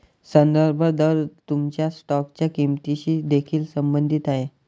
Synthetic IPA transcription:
sənd̪əɾbʱəd̪əɾt̪umt͡ɕjasʈɔkt͡ɕjakimt̪iɕiːd̪ekʰiːlsəmbənd̪ʱiːt̪aɦe

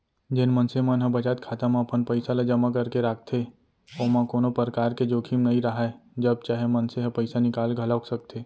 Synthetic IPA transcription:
d͡ʒenmənsemənɦəbɐt͡ʃaːt̪̚kʰaːt̪amãɐpənpəɪsalad͡ʒɐmakɐɾkeɾaːk̚ʰt̪ʰe | oːmãkoːnopəɾkaːɾked͡ʒoːkʰimnɐɦĩɾəɦaed͡ʒɐb̚t͡ʃaːɦemɐnseɦɐpəɪsanɪkaːlɡʱɐlaksɐk̚t̪ʰeː

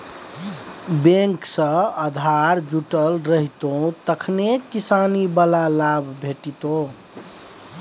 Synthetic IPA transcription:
bẽŋksə̃əd̪ʱaɾd͡ʒuʈəlɾəɦit̪õt̪əkʰnekisanibəlalabʱbʱeʈit̪o

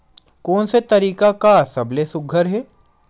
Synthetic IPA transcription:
kɔːnset̪ɐɾiːkakasɐblesʊɡʱəɾɦɛː

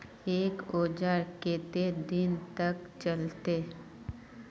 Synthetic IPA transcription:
eːkoːd͡ʒaɾkeːt̪ed̪ɪnt̪ɐkt͡ʃɐlt̪e

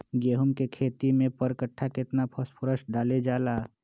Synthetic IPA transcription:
ɡeːɦumkekʰeːt̪imẽpəɾkəʈʰːakɪt̪napʰəspʰʊɾəsɖaːled͡ʒaːlaː

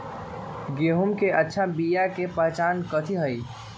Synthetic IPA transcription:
ɡeːɦumkeʔətːʃʰabijakepəɦt͡ʃaːnkət̪ʰiɦəi

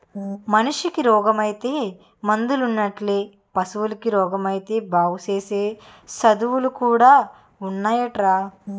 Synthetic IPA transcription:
mɐnuʂikiɾɔːɡɐmɐjit̪eː | mɐnd̪ulunːɐʈleː | pɐsuwulɐkiɾɔːɡɐmɐjit̪e̞ːbʱaːʋut͡ʃeːseː | sɐd̪uʋulukuːɽaː | unːaːjɐʈɾaː

